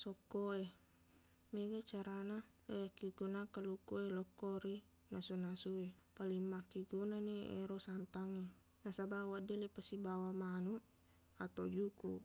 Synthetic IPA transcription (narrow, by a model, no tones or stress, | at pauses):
sɔkːɔe | meɡat͡ʃaɾana | lejakiɡunakalukɔelɔkːɔɾi | nasunasue | palimːakiɡunaniḛɾɔsant̪aŋe | nasabawadɛlepasibawamanu | at̪od͡ʒukṵ